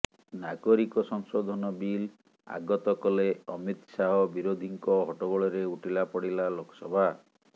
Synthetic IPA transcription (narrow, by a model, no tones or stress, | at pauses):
naɡɔɾikɔsɔŋsod̪ʱɔnɔbil | a̰ɡɔt̪ɔkɔleɔmit̪saɦɔbiɾod̪ʱiŋkɔɦɔʈɔɡɔɭɔɾeuʈilapɔɽilalokʰɔ̥sɔbʱa